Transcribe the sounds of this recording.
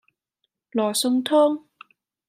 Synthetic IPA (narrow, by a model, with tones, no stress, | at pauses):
lɔː˨˩sʊ˧ŋt̪ʰʊː˥ŋ